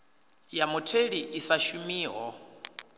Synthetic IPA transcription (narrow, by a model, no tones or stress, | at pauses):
jamutʰeɺiʔisaʃumiːɦɔ